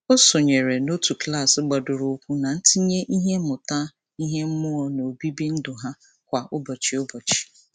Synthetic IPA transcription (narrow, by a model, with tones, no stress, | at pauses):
o˦so˨ɲe˨ɾe˨no˦tu˨kla˦˨sɡ͡bɔ˨dʊ˨ɾo˨˦kʷu˦na˨n̩˦ti˦ɲe˦ʔi˦ɦe˦mʊ˨ta˦ | i˦ɦe˦m̩˦mʊ˦ɔ˨no˨bi˦bi˦n̩˦dʊ˨ɦa˦ | kʷa˨ʔʊ˦bɔ˨t͡ʃi˨ʊ˦bɔ˨t͡ʃi̥˨